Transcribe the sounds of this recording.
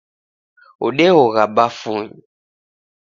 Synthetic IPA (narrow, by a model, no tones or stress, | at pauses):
o̰ɗewoɣabafuɲ